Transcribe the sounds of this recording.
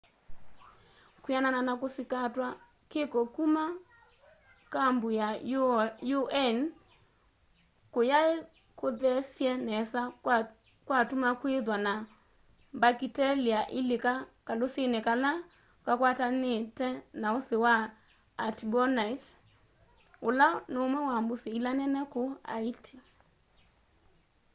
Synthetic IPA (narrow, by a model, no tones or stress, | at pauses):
kujanananakosikatwa | kekɔkuma | kambuja | juʔɛn | kojae | koðɛsjɛnɛsa | kwatumakweðwana | bakitɛliaʔɪlɪkakalʊsɪnɪkala | kakwatanɪtɛnaʊsɪwa | atbɔnait | ʊlanʊmɛwambʊsɪilanɛnɛkʊa̰itʰi̥